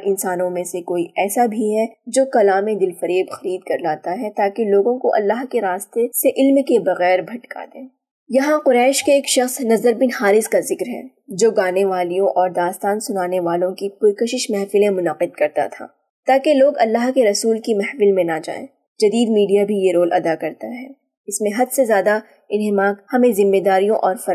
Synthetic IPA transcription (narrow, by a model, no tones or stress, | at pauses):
ʔɪ̃nsaːnõmẽsekoːiʔɛːsabʱiɦɛd͡ʒoːkɐlaːmẽd̪ɪlfɐɾeːbxɐɾiːd̪kɐɾlaːt̪aɦɛt̪aːkeloːɡõkoʔɐ̰lːaːɦkeɾaːst̪eseʔɪlmkebɐɣɛːɾbʱɐʈkʰa̰ːd̪ẽː | jɐɦãqʊɾɛːʃkeːkʃɐxsnɐzəɾbɪnhaːɾɪskazɪkɾɦɛ̰̃ | d͡ʒoːɡaːneʋaːlijõʔɔːɾd̪aːst̪aːnsʊnaːneʋaːlõkipʊjkəʃɪʃmɛɦfɪlẽmʊnəqɪd̪kɐɾt̪a̰t̪ʰa̰ː | t̪aːkeloːɡɐlːaːɦkeɾɐsuːlkimɛɦfɪlmẽnad͡ʒa̰ːḛ̃ː | d͡ʒɐd̪iːd̪miːɖijabʱijeɾoːlʔɐd̪akɐɾt̪aɦɛː | ɪsmẽɦɐd̪sezjaːd̪a | ɪnɦɪmaːkhɐmẽzɪmːeːd̪aːɾijõʔɔːɾfɐɾa